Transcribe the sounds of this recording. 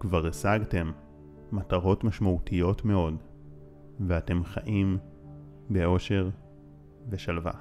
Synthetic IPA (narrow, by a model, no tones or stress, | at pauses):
kvaʁesaɡte̞mː | ataʁo̞tmaʃmautʰijo̞tme̞o̞d | veate̞mχaʔim | be̞o̞ʃe̞ʁ | ve̞ʃalva̰